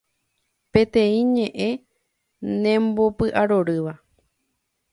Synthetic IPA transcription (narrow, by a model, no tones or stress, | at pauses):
pẽ̞t̪ẽ̞ĩɲẽ̞ʔẽ̞ | nẽ̞mbo̞pɨʔaɾo̞ɾɨʋa